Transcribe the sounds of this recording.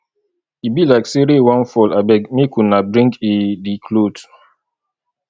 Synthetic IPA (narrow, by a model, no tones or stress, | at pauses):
ibilaɪkseɾewãnfɔlabɛɡmikunabɾĩŋɡedikʰlot